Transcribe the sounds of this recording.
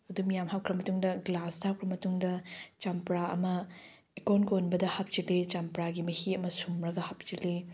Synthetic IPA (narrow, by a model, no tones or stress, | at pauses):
ɐdumijamhawkʰɾɐmɐtuŋdɐɡlastʰak̚ʰɾɐmɐtuŋdɐt͡ʃampɾaɐ̰mɐ | ekonkonbɐdɐhap̚t͡ʃilit͡ʃampɾaɡimɐhiɐmɐsumɾɐɡɐhap̚t͡ʃili